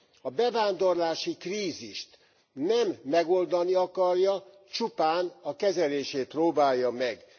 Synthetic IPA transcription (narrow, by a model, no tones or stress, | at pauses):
ɒbɛvaːnd̪o̞rlaːʃikriːziʃt̪ | nɛmːɛɡo̞ld̪ɒniɒkɒrjɒ | t͡ʃupaːnɒkɛzɛleːʃeːt̪̚proːbaːjːɒmɛɡ